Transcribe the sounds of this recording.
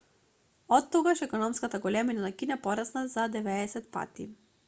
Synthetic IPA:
ɔt̪ːɔɡaʃɛkɔnɔmskat̪aɡɔlɛminanakinapɔɾasnazad̪ɛvɛːsɛt̪̚pa̰t̪ḭ

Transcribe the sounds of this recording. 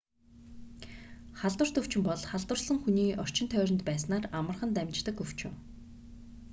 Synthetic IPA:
χaɮt̪wə̆r̥t̪ɵw̥t͡ɕɪ̆mpɔɮχaɮt̪wə̆rsə̆ŋxuniːʔɔr̥t͡ɕɪnt̪ʰœːɾʲɪ̆nt̪pæːsnaːramə̆rχə̆nt̪æmʲt͡ɕt̪ə̆kɵw̥t͡ɕʊ̰ː

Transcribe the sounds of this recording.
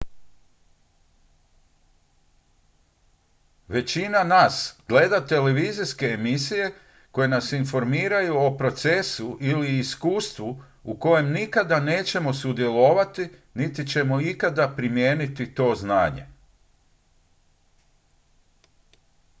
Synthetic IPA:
ʋe̞t͡ɕinanaːsɡ̥le̞d̪at̪e̞le̞ʋiziske̞ːmisije̞ | ko̞je̞nasinfo̞ɾmiːɾajuopɾo̞t̪se̞suʔiliːskuːst̪ʋu | uko̞je̞mnikad̪ane̞ːt͡ɕe̞mo̞sud̪je̞lo̞ʋat̪init̪it͡ɕe̞mo̞ikad̪apɾimjeːnit̪it̪o̞ːzna̰ːɲe̞̰

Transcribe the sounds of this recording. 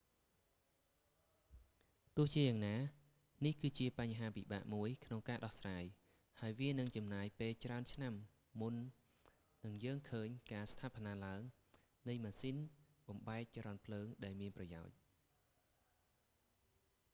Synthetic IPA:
t̪ʊ̆əht͡ɕiəjaːŋnaː | nihkɨːt͡ɕiəpaɲɦaːpiɓa̰ːʔmuəjkʰnoŋkaːɗɑhsraːj | haəjʋiənɨŋt͡ɕɑmnaːjpeːlt͡ɕraənt͡ɕʰnamː | unː | ɨŋjəːŋkʰəːɲkaːst̪ʰaːpʰnaːlaəŋ | nɨjmaːsinɓɑmɓaɛk̚t͡ɕɾɑnpʰləːŋɗaɛlmiənprɑja̰ɔc̚

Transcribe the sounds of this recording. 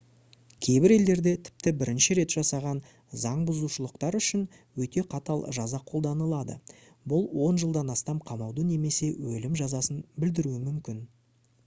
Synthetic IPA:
kʲʰe̞jbɪɾe̞ld̪e̞ɾd̪e̞t̪ʰɪ̥p̚t̪ɪbɪɾɪnʃɪɾe̞t̪ʒ̥ɑsɑʁɑn | zɑɴbʊzuʃəlˠəqt̪ɑɾʏʃɪn | wɵt̪e̞qʰɑt̪ɑlˠʒɑzɑqʰo̞lˠd̪ɑnəlˠɑd̪ə̰ | bʊlˠwo̞nʒəlˠd̪ɑnɑst̪ɑmqʰɑmɑwd̪əne̞me̞se̞wɵlɪmʒɑzɑsənbɪld̪ɪɾuɪmʏmkʲɪn

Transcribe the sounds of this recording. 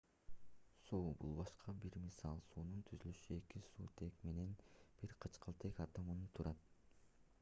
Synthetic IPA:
suːbṵlˠbɑʃqʰɑbiɾmisɑlˠsuːnunt̪ʰyzylyʃye̞kisṵːt̪ʰe̞kme̞ne̞nb̥iɾqʰɯt͡ʃqʰɯlˠt̪ʰekɑt̪ɑmɯnɯt̪ʰuɾʔɑt̪̚

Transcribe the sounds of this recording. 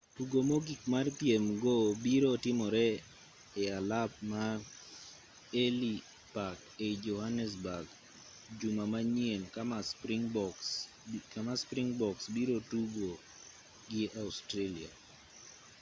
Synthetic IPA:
tuɡomoɡikmart̪jemɡobiɾotɪmɔɾɛ | ɪalap̚ma | eli | paked͡ʒɔhanɛs̬baɡ | d͡ʒumamaɲjenkamaspŋbɔs | kamaspɾiŋbɔksbiɾotuɡo | ɡɪʔaustɾelia̰

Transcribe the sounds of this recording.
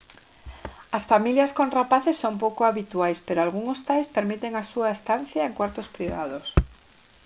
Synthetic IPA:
ɐsfamiljɐskõnrapaθesːompowkʊaβit̪uajspeɾoalɣuŋost̪ajspeɾmit̪eŋasuaest̪an̟θjaeŋkwaɾt̪ospɾiβa̰ðos

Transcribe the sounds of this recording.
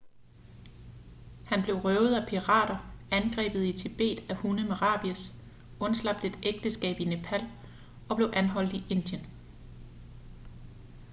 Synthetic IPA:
hænb̥le̝ʊʁœʊð̩ˠæpʰiʁɑ̰̈ːɾ̥ɐænɡ̥ʁɛ̰ːb̥ð̞̩ˠit͡sʰe̝b̥e̝̰ːd̥æhunəmeʁɑ̰̈b̥iɐs | ɔ̽nslɑ̈b̥d̥e̝d̥eɡ̥̚d̥əsɡ̥ɛ̰ːb̥ine̝pʰæl̰ | ɒ̽b̥le̝ʊʔænɦɒ̽l̰d̥iʔe̝n̰d̥jən

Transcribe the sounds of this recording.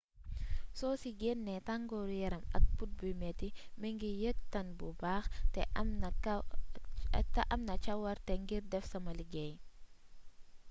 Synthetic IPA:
sɔːsiɡɛnːɛtaŋɡɔːɾjɐɾɐmɐ̰k̚put̚bumɛtimɛŋɡijək̚tɐnbubaːxtɛ | tɐʔɐmnɐt͡ʃɐwɐɾtɛŋɡiɾdɛfsɐmɐliɡɛj

